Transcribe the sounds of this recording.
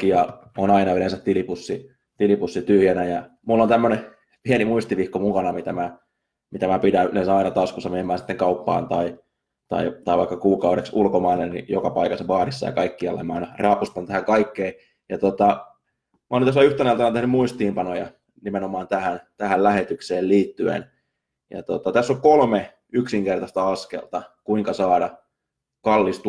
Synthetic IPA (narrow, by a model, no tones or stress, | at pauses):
kːijɑ | onɑinɑylensæt̪tilipusːi | t̪ilipusːit̪yhjænæjɑ | mulːont̪æmːøne | pienimuist̪iʋihkːomukɑnɑmit̪æmæ | mit̪æmæpidænesɑinɑt̪ɑskusːɑmeemːæːsi̥t̪ːeŋkɑupːɑ̰ːnt̪ɑi | t̪ɑ̰it̪ɑiʋɑikːɑkuːkɑuɾeksulkomɑinennḭjokɑpɑikɑseʋɑːɾisːɑjɑ̰kɑikːiɑ̰lːḛmæɑinɑrɑːpust̪ɑnt̪æhæŋkɑikːeː | jɑt̪ot̪ɑ | mæolnenæsːæyht̪eneilt̪ɑint̪ehnymuist̪iːmpɑnojɑ | nimenomɑːnt̪æhænt̪æhællæhet̪ykseːlliːt̪ːyḛn | jɑ̰t̪ot̪ɑt̪æsːokkolme | yksiŋkert̪ɑst̪ɑɑskḛlt̪ɑkuiŋkɑsɑːdɑ | kɑlːist̪